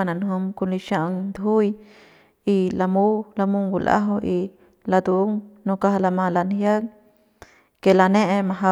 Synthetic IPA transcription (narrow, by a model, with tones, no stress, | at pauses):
a˧˨nã˨nɦo˧mku˧li˧ʃa˧ʔŋd̪ɦu˦j | i˧la˧mu˦la˧mu˧ŋɡu˧˨lʔa̰˦ɦo˧ʔi˧ | la˧d̪u˧˨˦ŋnõ˧ka˧hla˧mã˧la˧˨nhja˦ŋ | ke˨la˧nẽ˦ʔe˧mã˧ɦa˧